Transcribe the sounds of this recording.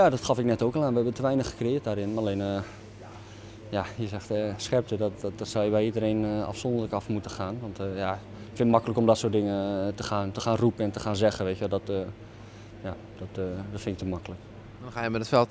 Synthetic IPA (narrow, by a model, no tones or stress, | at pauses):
jaːdɔtxɑfɪknɛtoːkɛlˠaːnʋəɦɛbəntəʋɛjnəxə̥krɪːət̚daːɾɪnleːnə | jaiəzɛxtəsxɛp̚tədɔtdɔtsɔwjəbɛjidəɾeːnəa̰fsɔndərləkɑfmutəxaːnʋɔntja | ɪkfɪnətmɑkələkɔmdɔtsoːtdɪŋətəxaːntəxaːnrupənɛntəxaːnzɛɣənʋeːtjʋɛlˠdɔtː | ja | d̥ɔtdɔtfɪnɪk̚təmakələk | dɔnaːjəmɛtətfɛlˠt